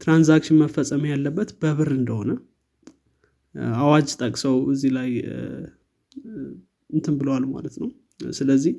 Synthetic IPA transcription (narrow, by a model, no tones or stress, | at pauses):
t̪ɾanzakʃɪnməfəsʼəmjalːəbːət̪bəβɨɾɨnd̪əho̞nə | awad͡ʒt̪ʼəkʼsəwɨzːilaj | ɨnt̪ʰɨnbɨləwalma̰lət̪nəw | sɨləzːih